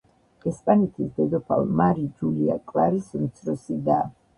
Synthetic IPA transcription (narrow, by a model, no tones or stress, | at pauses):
ɛspʼanɛt̪ʰisd̪ɛd̪ɔpʰa̰lˠmaɾid͡ʒulia̰kʼlaɾismt̪sʰɾɔsid̪a